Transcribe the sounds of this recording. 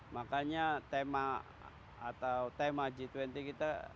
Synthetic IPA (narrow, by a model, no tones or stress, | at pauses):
makaɲat̪ema̰ː | t̪awt̪emad͡ʒit̪wɛnt̪ikit̪a